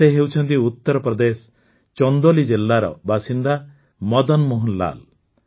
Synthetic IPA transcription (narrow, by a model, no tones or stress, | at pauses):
eɦewt͡ʃʰɔnt̪iut̪ːɔɾɔpɾɔd̪esɔ̥ | t͡ʃɔnd̪olid͡ʒelːaɾɔ̰basind̪a | mɔd̪ɔnmoɦunla̰l